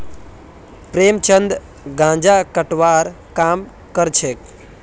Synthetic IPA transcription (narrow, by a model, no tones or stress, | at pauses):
pɾeːmt͡ʃənd̪ | ɡãːd͡ʒaːkəʈʋaːɾ | kaːm | kəɾt͡ʃʰek